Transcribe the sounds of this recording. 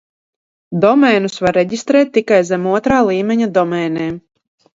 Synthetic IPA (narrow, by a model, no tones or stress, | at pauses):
d̪ɔmɛːnusvaɾːɛɟʲist̪ɾɛːt̪ʲːikajzɛmuɔt̪ɾaːlˠiːmɛɲad̪ɔmɛːnɛːm